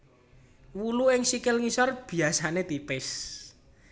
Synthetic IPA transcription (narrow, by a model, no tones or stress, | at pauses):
wuluɪŋsikɪlŋisɔrb̥i̤asanet̪ipɪs